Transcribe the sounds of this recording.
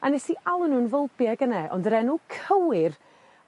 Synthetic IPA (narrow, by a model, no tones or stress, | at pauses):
anɛsiʔalˠənuːnvəlˠbjaɡənɛʔɔ̰ndəɾɛnukʰəwɪr